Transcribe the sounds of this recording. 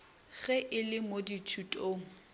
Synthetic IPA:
ɣɛʔɪlɪmoditʰutʼoːŋ̩

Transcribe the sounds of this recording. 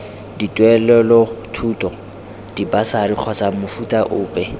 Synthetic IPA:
ditʼwɛlɛlɔtʰuːtʼɔ | d̥ibasariq͡χʰɔsamʊfutʼaʔʊːpʼɛ

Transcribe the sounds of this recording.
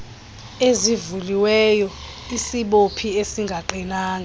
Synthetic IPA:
ezivuliwɛjɔ | isiɓopʰiesiŋɡʱaǃinaːŋɡʱa

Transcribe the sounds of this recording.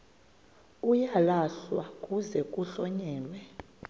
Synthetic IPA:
ujalaɬwakʼuzɛkʼuɬɔɲɛːlwɛ

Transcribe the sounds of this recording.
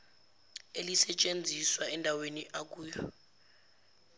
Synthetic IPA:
elisɛt͡ʃʼend͡zʱiswaɛndʱaweniʔak̬uːjɔ

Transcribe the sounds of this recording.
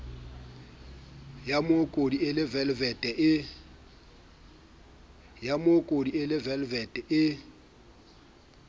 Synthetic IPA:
jamokʼodiɪlɪvɛlvɛtʼɛʔɪ | jamokʼodiɪlɪvɛlvɛtʼɛʔɪ

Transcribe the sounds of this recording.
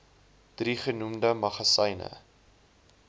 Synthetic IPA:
d̥riχənumdəmɐχɐsəjnə̰

